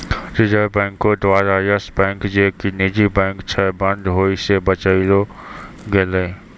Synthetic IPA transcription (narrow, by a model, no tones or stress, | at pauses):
ɾɪd͡ʒəɾbɛ̃ːŋkod̪ʋaːɾajəsbɛ̃ːŋkd͡ʒeːkinid͡ʒibɛ̃ːŋkt͡ʃʰɛbɐ̃nd̪ɦoːisebɐt͡ʃəiɾo | ɡeleː